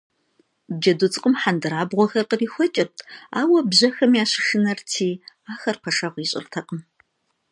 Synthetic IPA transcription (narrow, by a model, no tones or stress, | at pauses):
bd͡ʒɐdʊt͡sʼɨqʼəmħandɨɾaːbʁʷɔxɐrqəriːxʷɔt͡ʃʼɪrtʰa̰ːwɐbʑɐxɐmjaːɕɪʂɨnɐrtʰiːaːxɐrpʰɐʂɐʁʷiːɕʼɪ̰rtʰɐqʼəm